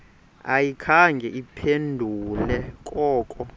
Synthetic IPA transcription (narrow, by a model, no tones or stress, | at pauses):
a̰jikʰaŋɡʱɛʔipʰendʱulɛkʼɔːkʼɔ